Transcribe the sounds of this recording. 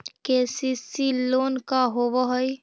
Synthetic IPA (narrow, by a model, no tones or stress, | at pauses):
kesisiloːnkaɦoʋəɦɔj